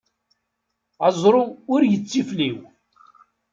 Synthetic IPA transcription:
ɑzˤɾˤʊʊɾjət͡sːifliw

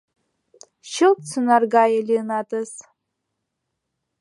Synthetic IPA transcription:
ʃɪlpt͡sʰunarɡajalʲinatʼɨs

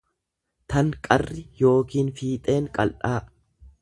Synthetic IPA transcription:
t̪ɐŋkʼɐrːɪjo̞ːkiːnfiːt̪ʼe̞ːŋkʼɐlʔaː

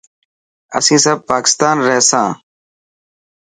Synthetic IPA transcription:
ə̰sĩːsəb̚paːkɪ̥st̪aːnɾɛːsãː

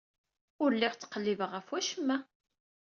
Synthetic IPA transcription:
ʊɾlːɪʁt͡sːə̥qəlːivəʁəfwæʃəmːæ

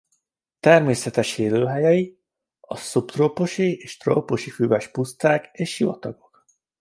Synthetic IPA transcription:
t̪ɛrmeːsɛt̪ɛʃeːløːɦɛjɛi | ɒsupt̪roːpoʃieːʃt̪ro̰ːpoʃifyvɛʃpust̪aːkeːʃjivɒ̰t̪ɒɡo̞k

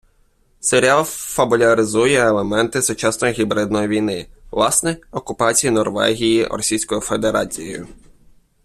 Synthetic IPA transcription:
seɾʲalˠfɐbʊlʲɐɾɪzujɛelˠemɛnt̪ɪsʊt͡ʃɑsnɔjiɦʲibɾɪd̪nɔjiʋʲijnɪʋlˠɑsnɛɔkʊpɑt͡sʲijinɔrʋɛ̰ɦʲijḭrɔ̰sʲijsʲkɔjifed̪eɾɑt͡sʲij̰jʊ̰

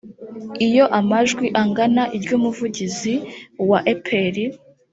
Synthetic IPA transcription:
ijo̞ʔamaʒɡwiʔaŋɡanaʔiɾɟuːmuvuɟiziwaʔepʰeɾi

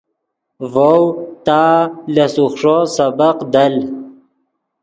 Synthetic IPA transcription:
vowt̪aːlasuxʂosabaqd̪al

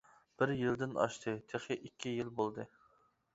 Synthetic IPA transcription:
b̥ɪɾjild̪ɪnɑ̰ʃt̪ʰɨt̪ʰeχɪʔikʲʰːijilbolˠd̪ɨ

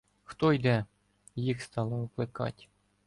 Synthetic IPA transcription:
xt̪ojd̪ʲæ | jixst̪ɑlˠɤ̆ɤ̆klʲˠɘkɑ̰tʲ

